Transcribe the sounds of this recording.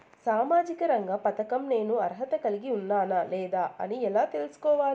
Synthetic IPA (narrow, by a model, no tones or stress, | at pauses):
saːmaːd͡ʒikɐɾɐŋɡaːpɐt̪ɐkɐmne̞ːnuɐɾɦɐt̪ɐkɐliɡiunːaːnalɛːd̪aːʔɐ̰niɛlaːt̪e̞lusu̥kɔːʋaː